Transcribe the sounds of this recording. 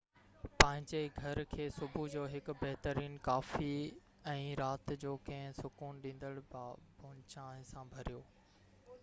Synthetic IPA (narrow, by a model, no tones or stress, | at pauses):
pɐ̃ɦɪ̃ɲd͡ʑeɡʱɐɾkʰeːsʊbʱud͡ʑoːɦɪk̆bɐɦt̪əɾiːnkaːfi | ɛ̃ːɾaːt̪d͡ʑoːkɐ̃ɦɪ̃sʊkuːnɗĩːn̆d̪əɽbaːbʊnt͡ɕãːɪ̃sãbʱɐɾijoː